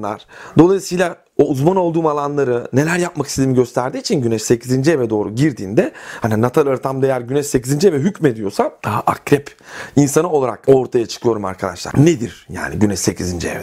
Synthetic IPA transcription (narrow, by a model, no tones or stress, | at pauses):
a̰ɾ̥d̪o̞lˠajisijlʲˠa | ouzmano̞lˠd̪uːmalˠanlˠaɾɯne̞lʲæɾjap̚makʰi̥seimiɟø̞st̪ʰæɾd̪iːt͡ʃʰinɟynɛʃse̞cʰizind͡ʒievɛd̪o̞ːɾuɟiɾd̪iːnd̪ɛhaninat̪ʰalʲˠaɾt̪ʰamd̪aejæɾɟynɛʃse̞cʰizind͡ʒievɛɦycme̞d̪ijo̞sad̪̥aɦaʔakɾɛp | insanɯo̞lˠaɾa̰ko̞ɾt̪ʰajat͡ʃʰɯ̥kʰɯjo̞ɾuma̰ɾkʰad̪a̰ʃlˠa̰ɾned̪iɾja̰ːnḭɟynɛʃse̞cʰizind͡ʒiḛvɛ